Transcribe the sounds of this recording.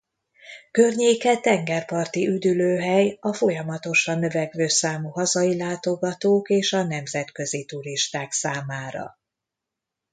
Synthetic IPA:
kø̞rɲeːkɛt̪ɛŋɡɛrpɒrt̪iʔyd̪yløːɦɛjɒfo̞jɒmɒt̪o̞ʃɒnːø̞vɛɡvøːsaːmuɦɒzɒilaːt̪o̞ɡɒt̪oːkeːʃɒn̪ɛmzɛt̪kø̞zit̪uɾiʃt̪aːksaːmaːɾɒ̰

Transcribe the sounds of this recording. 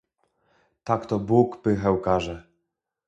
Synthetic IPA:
t̪akt̪ɔbukpɘxɛwkaʐɛ

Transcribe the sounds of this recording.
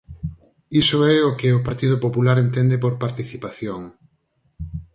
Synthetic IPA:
isoɛokɪopaɾt̪ið̞opopulaɾent̪end̪epoɾpaɾt̪iθipaθjoŋ

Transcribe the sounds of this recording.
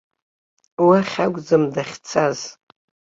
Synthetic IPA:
waχʲaɡʷʼd͡zɨmdaχʲt͡sʰaz̥

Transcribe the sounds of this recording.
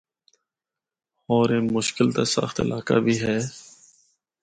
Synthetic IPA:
oːɾeːmʊʃkɪlt̪eːsə̰xt̪ɪ̰laːka̰ːbʱiːɦɛː

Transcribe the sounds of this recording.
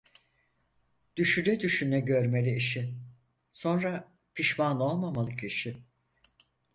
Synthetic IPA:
d̪̥yʃylɛd̪yʃynːɛɟø̞ɾme̞lʲiiʃɪ | so̞nɾa | pʰiʃmano̞lˠmamalˠɯkiʃi

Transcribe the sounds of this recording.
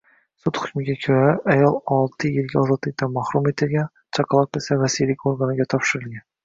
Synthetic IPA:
sut̪hʊkʲmɪɡʲakʲʰøɾaæjɒlˠɒlˠt̪ʰɨjɪlɡʲaɒzɒd̪lˠɨk̚ʲt̪ɑnmɑχɾume̞t̪ʰɪɾɡʲan | t͡ʃʰɑqʰɑlˠɑkesavæsilikʰʲoɾɡɑnɪɡʲat̪ʰɒpʃɪɾɪlɡʲæn

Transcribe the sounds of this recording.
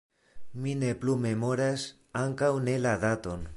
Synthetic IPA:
mine̞plume̞mo̞ɾas | aŋkawne̞laðat̪o̞n

